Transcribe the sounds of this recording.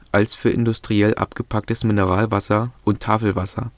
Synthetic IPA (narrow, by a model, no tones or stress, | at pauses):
ʔalsfyːɐʔɪ̰ndʊstʁ̥iɛlʔa̰pɡ̥əpʰak̚təsmɪnəʁaːlvasɐʔʊntʰːaːfl̩vasɐ̰